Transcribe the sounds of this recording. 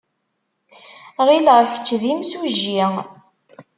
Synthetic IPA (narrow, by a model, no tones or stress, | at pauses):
ʁiləʁçə̥t͡ʃːðimsuʒːi